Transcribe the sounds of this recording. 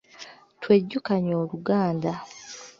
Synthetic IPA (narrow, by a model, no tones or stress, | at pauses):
tweɟːukaɲo̞ːluɡaːnda